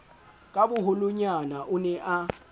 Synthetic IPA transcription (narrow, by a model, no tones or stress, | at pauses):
kʼabʊɦʊlʊɲanaʔʊnɛʔa